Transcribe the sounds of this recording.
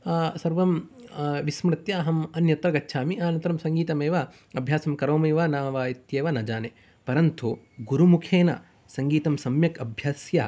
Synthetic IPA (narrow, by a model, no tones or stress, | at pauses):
sɐɾʋɐmʋismɾɪt̪jaːɦɐmɐnjɐt̪ɾɐɡɐtːʃʰaːmiʔaːnɐnt̪ɾɐmsɐŋɡiːt̪ɐmeːʋa | ɐbʱjaːsɐmkɐɾoːmeːʋanaːʋaːjɐt̪jeːʋɐnɐd͡ʒaːne | pɐɾɐnt̪u | ɡuɾumukʰeːnɐ̰ | sɐŋɡiːt̪ɐmsɐmjɐkɐbʱjaːsja